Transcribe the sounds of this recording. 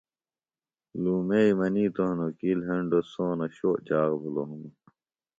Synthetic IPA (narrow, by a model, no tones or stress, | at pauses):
luːmeimɐniːt̪oɦnokilɦeɳɖosoːnɐɕoːʔt͡ɕaːɣbuloɦumu